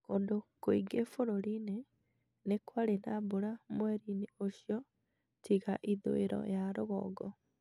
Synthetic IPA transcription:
koːndokoiɡefoɾoɾine | nekwaɾenaboɾamwɛɾineoɕjɔ | tʰiɣaʔiðo̰eɾɔ̰jaɾoɣɔ̰ːɡɔ

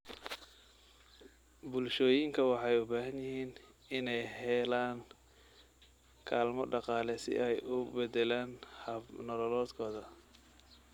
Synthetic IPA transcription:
bʊlʃɔːjɪŋkʰɐwɑħɑjʊbaːɦɐnjɪɦiːn | ɪnɛjɦɛːlaːŋ | kʰaːlmɔɖɑqɑːlɛsɪ̰ʔɛjʔʊbɛd̪ɛlaːnhɐnɔlɔlɔːd̪kʰɔːðɐ

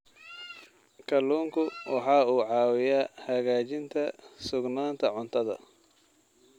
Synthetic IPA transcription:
kʰɐluːŋkʰʊwɑħɑːuːʕɑːwɪjaːhɐɣaːt͡ʃɪnt̪ʰɐsʊɡnaːnt̪ʰɐʕʊnt̪ʰɐðɐ̰

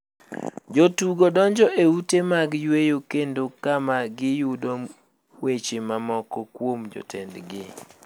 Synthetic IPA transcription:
d͡ʒotuɡodɔɲd͡ʒɔʔeutemaɡjwejokendokamaɡɪjʊdom | wet͡ʃemamɔkɔkwomd͡ʒo̰tʰḛndɡɪ

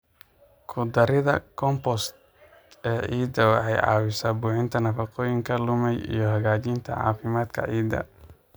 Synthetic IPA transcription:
kʰʊd̪ɐɾɪðɐ̰kʰɔmpɔst̪ | ɛːʕiːd̪ɐwɑħɑjʕɑ̰ːwɪsaːbuːħɪnt̪ʰɐnɐfɑqɔːjɪŋkʰɐlʊmɛjḭjɞhɐɣaːt͡ʃint̪ʰɐ̰ʕɑ̰ːfɪmaːd̪kʰɐ̰ʕiːd̪ɐ̰

